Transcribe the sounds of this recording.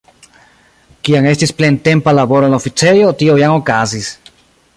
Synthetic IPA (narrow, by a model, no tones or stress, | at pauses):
kiaŋe̞stisplent̪e̞mpalaβo̞ɾenlaofit͡se̞jo̞t̪iojaŋokazis